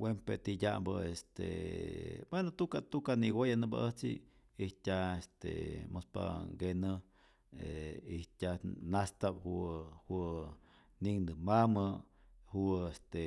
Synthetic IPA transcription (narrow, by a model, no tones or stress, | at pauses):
wempet̪idambəest̪ḛ | bwenot̪ukat̪ukaniɡojanɨba̰ʔəht͡sḭ | ihtʲaest̪ḛmospa̰ɡenə | eihtʲanast̪aphuhu | niŋnd̪ɨmamə | huest̪e